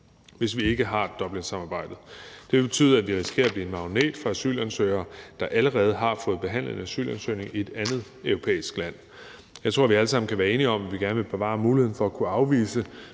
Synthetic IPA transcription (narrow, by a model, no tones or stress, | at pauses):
ʋe̝sʋie̝ɡ̥əɦɑ̈d̥ɒ̽b̥le̝nsɑ̈mɑ̈ːb̥ɑ̈ɪ̰d̥ð̩ˠd̥e̝ʋe̝b̥e̝t͡sʰy̰ːðˠæʋiʁisɡ̥e̝̰ɐb̥lḭːenmɑ̈ʊne̝̰ːd̥fʁɑ̈æsy̰ːlænsøɪɐːd̥ɑ̈ʔæləʁɛːð̞̩ˠɦɑ̈fɔ̽ːð̩ˠb̥e̝ɦæn̰lð̩ˠenæsy̰ːlænsøɪne̝ŋie̝d̥ænð̞̩ˠ | œʊʁo̝pʰḛːisɡ̥læn̰ | jɑɪt͡sʰʁo̝ɐ̰ʋiæləsɑ̈m̰n̩kʰæʋæːɐe̝ːniɒ̽mæʋiɡ̥æɐnəʋeb̥e̝ʋɑ̰̈ːmuːlihen̩fɒ̽ækʰuɑ̈ʊʋḭːsə